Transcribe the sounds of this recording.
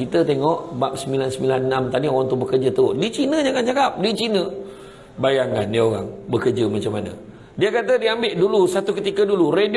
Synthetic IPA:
kit̪ət̪eŋɔʔbap̚səmilansəmbilanːamt̪adioɣaŋt̪ʊbəkərd͡ʒət̪ədit͡ʃinəd͡ʒaŋand͡ʒakap̚dit͡ʃinə | bajaŋanːioɣa̰ŋbəkərd͡ʒəmat͡ʃamanə̰ | diəkat̪̬ədiambɪʔdulusat̪ukət̪ikəduluredi

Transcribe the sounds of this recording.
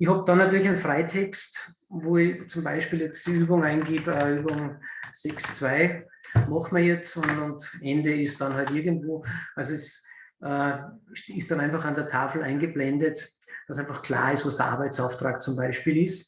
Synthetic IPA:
ɪçhɑb̚d̥ɑnːatyːɐlɪçaɪnfʁaɪtʰɛkst | voːɪt͡sʊmbaɪʃpiːljɛt͡sd̥iyːbʊŋaɪnɡiːbəyːbʊŋsɛkst͡sv̥aɪ | mɑχtməɐjɛt͡sʊnʊntʔɛndəɪstd̥ɑnɦaltɪɐɡəntvoːʔalzoɛsʔəːʃɪstd̥ɑnãɪnfɑχandəɐtʰaːfl̩ʔa̰ɪnɡəblɛndət | d̥asæ̃ɪnfɑχkʰl̥a̰ːɐɪstvɑsd̥əɐʔa̰ɐbaɪt͡saʊftʁ̥a̰ːkt͡sʊmbaɪʃpiːlɪs

